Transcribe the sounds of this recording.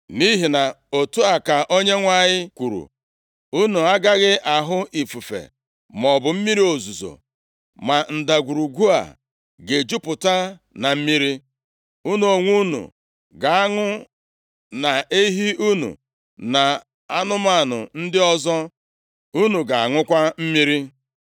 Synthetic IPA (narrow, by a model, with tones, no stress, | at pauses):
ni˦ɦi˨na˨ | o˨tu˦a˨ka˨ʔo˦ɲe˦ŋʷa˦ɲɪ˦kʷu˨ɾṵ˨ | u˦nu˨a˦ɡa˦ɣɪ˦ʔa˨ɦʊ˦ʔi˨fu˨fḛ˨ | mɔ˨bʊ˨m̩˦mi˦ɾi˦o˨zu˨zo̰˨ | ma˨n̩˨da˨ɡʷu˨ɾu˨ɡʷu˦a̰˨ | ɡe˨d͡ʒu˦pʊ˨ta˦ | na˨m̩˦mi˦ɾi˦ | u˦nu˨o˨ŋʷu˦nṵ˨ | ɡa˨a˦ŋʊ˦ | na˨e˦ɦi˦u˦nṵ˨ | na˨ | a˦nʊ˦ma˦˨nʊ̰˨n̩˦dɪ˦ɔ˦zɔ˦ | u˦nu˨ɡa˨a˨ŋʊ˦kʷa˦m̩˦mi˦ɾi˦